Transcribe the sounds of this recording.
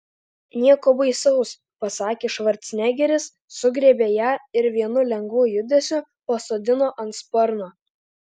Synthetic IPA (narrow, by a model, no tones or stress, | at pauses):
nʲiɛkoːbɐɪsɐʊs | pɐsɑːkʲeːʃʋɐɾʲt̪ʲsʲnʲæːɡʲɛɾʲɪsː | ʊɡɾʲeːbʲeːjæːɪɾʋʲiɛnʊlʲɛŋɡʋuːjʊd̪ʲesʲʊ | pɐsoːd̪ʲɪnoːʔɐnt̪spɔɾnoː